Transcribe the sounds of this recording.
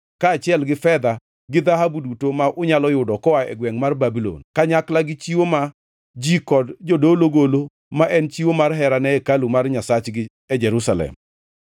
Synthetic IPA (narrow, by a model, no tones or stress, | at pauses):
kaːt͡ʃɪɛlɡɪfɛd̪a | ɡɪd̪aɦabudutomaʔʊɲalɔjʊdɔkɔaɛ̰ɡwɛŋmarbabilo̰nkaɲaklaɡɪt͡ʃiwoma | d͡ʒikɔdd͡ʒodoloɡolo | maʔɛnt͡ʃiwomarɦɛɾanɛɛkalumarɲasat͡ʃɡɪ | ɛd͡ʒɛɾusalɛ̰m